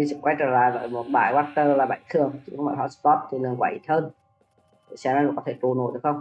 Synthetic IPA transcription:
i˧˩sɨ̰˧˩kwa˧˦jt͡ɕəː˧˩laː˧˨jvə̰ː˧˨˩jmo˨˩t̚ɓa̰ː˧˩jwaː˦˥t̚t̪əː˧laː˨˩ɓa˧˩jt̪ʰɨ˨˩əŋt͡ɕḭ˧˥kɔ˧˦ŋmɔ̰ː˧˩ɦɔ˧˥st̪ɔ˦˥t̚t̪ʰi˨˩lɨ˨˩ŋkwa̰ː˧˩˨ʔi˨˧˩t̪ʰəː˧n˧˩ | sa˧˩n˧˦n˨˧˨kɔ˨˦t̪ʰe˧˩t̪u˨˧˩no̰˧˩˨j̪xə˧wŋ͡m

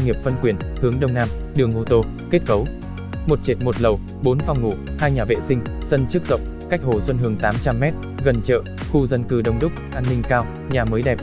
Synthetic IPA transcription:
ŋ͡mŋi˨˩əp̚fə˧nkwi˨˩ən | hɨ˨˦əŋɗə˧wŋ͡mnaː˧m | ɗɨ˨˩əŋʔo˧t̪o˧ | ke˦˥t̚kə˨˦w | mo˨˩t̚t͡ɕi˨˩t̚mo˨˩t̚lə˨˩w | ɓo˨˦nva˧wŋ͡mŋṵ˧˨haː˧jɲaː˨˩vḛ˧˨sï˧ŋ̟sə˧nt͡ɕɨ˦˥k̚zə̰˧˨wŋ͡m | ka˦˥jk̚ho˨˩swə˧nɦɨ˨˩əŋt̪aː˨˦mt͡ɕa˧mːɛ˦˥t̚ | ɣə˨˩nt͡ɕə̰ː˧˨xu˧zə˧nkɨ˧˩ɗə˧wŋ͡mɗʊ˦˥k͡p̚ʔaː˧nːï˧ŋkaː˧w | ɲaː˨˩məː˨˦jɗɛ˨˩p̚

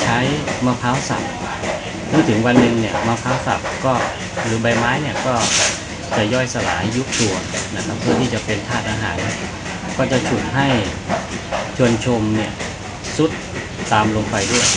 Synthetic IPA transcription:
t͡ɕʰa˦˥jmaː˧pʰaː˦˥wsa̰˨˩p̚ | nɯ˥˩t̪ʰɯ˩˦ŋwa˧nːɯ˧ŋni˥˩ɐmaː˧pʰaː˦˥wsa̰˨˩p̚kɔː˥˩ | ɾɯː˩˦ba˧jmaː˦˥jni˦˥˩ɐkɔː˥˩ | t͡ɕa˨˩jɔː˥˩jsa˧la̰ː˩˦jːu˦˥k̚t̪u˧ɐna˦˥kʰa˦˥pʰːɯ˥˩t̪ʰi˥˩t͡ɕa˨˩pe˧nt̪ʰaː˥˩t̪̚ʔaː˧ɦaː˩˦nːi˥˩ɐ | kɔː˥˩t͡ɕa˨˩t͡ɕʰu˨˩t̪̚ɦa˥˩j | t͡ɕʰu˧ənt͡ɕʰo˧mni˥˩ɐ | su˦˥t̪̚ː | aː˧mlo˧ŋpa˧jdu˥˩əj

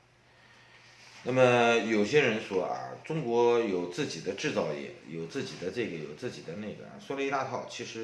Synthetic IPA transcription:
na˥˩mə˩jo˨˩ʊɕjɛ˥ɻə˧˥nʂwɔ˥ʔa̰˧˩ʈ͡ʂʊ˥ŋkwɔ˧˥jo˨˩ʊt͡sɹ̩˥˩t͡ɕi˨˩d̪ə˦ʈ͡ʂɻ̩˥˧t͡sɑ˥˧ʊjɛ̰˨˥˩jo˨˩ʊt͡sɹ̩˥˩t͡ɕi˨˩d̪ə˦ʈ͡ʂɤ˥˩ɡə˩jo˨˩ʊt͡sɹ̩˥˩t͡ɕḭ˨˩d̪ə˦ne˥˩ɪɡə̰˩a̰˥˩swɔ˥lə˧i˥t̪a˥˧t̪ʰɑ˥˩ʊt͡ɕʰi˧˥ʂɻ̩˧˥

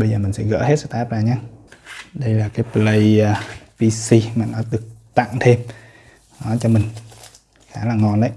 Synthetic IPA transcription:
ɓə˧jzəː˨˩mï˨˩ŋsɛ̰˧˥ɣə̰ː˧˥he˦˥t̚sə˧˩t̪aː˦˥p̚zaː˨˩ɲaː˧ | ɗə˧jlaː˨˩kaː˨˦jplə˧jpi˧si˧maː˨˩nɔ˨˦ɗ̪ɨ˨˩ək̚t̪a̰˧˨ŋt̪ʰe˧m | nɔ˨˦t͡ɕɔ˧mï˨˩ŋ̟ | xaː˨˦laː˨˩ŋɔ˨˩nʔə˨˦j

